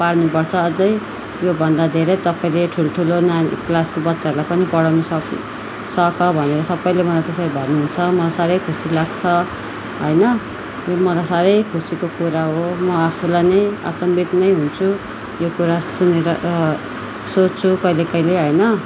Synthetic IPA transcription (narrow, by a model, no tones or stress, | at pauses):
paɽnupʌrt͡sʰʌːd͡zʌj | jobʱʌnd̪ad̪ʱeɾʌjt̪ʌpaĩleʈʰuloʈʰulonaklaskobʌtːsaɾlajpʌnipʌɽawnusʌ | sʌkʌbʱʌneɾʌsʌbʌj̃lemʌlat̪esʌɾibʱʌrnuɦunt͡sʰʌmʌlajsaɾʌjkʰusilaɡ̚t͡sʰʌ | ɦʌjnʌ | jomʌlajsaɾʌjkʰusikokuɾaɦomʌapʰulajnʌja̰t͡sʌmbit̪nʌjɦunt͡sʰu | jokuɾasuneɾʌ | sot͡st͡sʰukʌilekʌileɦʌjnʌ